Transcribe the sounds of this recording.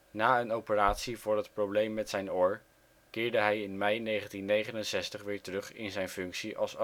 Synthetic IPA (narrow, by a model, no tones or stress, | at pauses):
naːənowpəraːtsivʊːɹɦətprowblejmːɛtsɛjnʊɹ | kɪːɹdəɦɛjɪnmɛjnejχəntinːejχənənsɛstəχʋɪːɹtərɵχɪnzɛjnfɵŋksiʔɑ̰lˠs